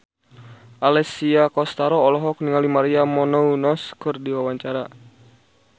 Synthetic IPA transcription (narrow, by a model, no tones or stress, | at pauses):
ʔalɛsiakɔst̪aɾɔːlɔɦɔk̚niŋalimaɾiamɔnɔunɔskɨrdiwawaɲt͡ʃaɾa